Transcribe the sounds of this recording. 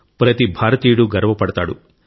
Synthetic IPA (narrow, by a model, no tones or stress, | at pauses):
pɾɐt̪ibʱaːɾɐt̪iːɽuɡɐɾɐʋɐpɐɽɐt̪aːɽṵ